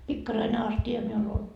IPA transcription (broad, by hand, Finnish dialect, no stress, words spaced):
pikːɑrɑine ɑstiɑ miul ol